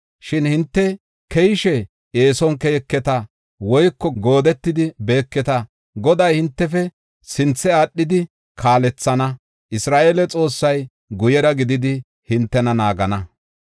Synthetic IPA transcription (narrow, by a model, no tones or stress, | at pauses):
ʃɪnhɪnt̪ːɛ | kɛjɪʃɛ | eːsɔnkɛjɛkːɛt̪ɐ | wɔjkːɔɡoːd̪ɛt̪ːɪd̪ɪbe̞ːkːɛt̪ɐ | ɡɔd̪ɐjhɪnt̪ːɛfɛ | sɪnt͡sːɛaːɗːɪd̪ɪ | kʰaːlɛt͡sːɐnɐ | ʔɪsɾaːʔelɛt͡sʼo̞ːsːɐj | ɡʊjɛɾɐɡɪd̪ɪd̪ɪ | hɪnt̪ːɛnɐnaːɡɐnɐ